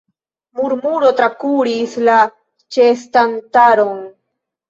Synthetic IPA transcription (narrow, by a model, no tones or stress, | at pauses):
muɾmuɾo̞t̪ɾakuɾisla | t͡ʃestantaɾon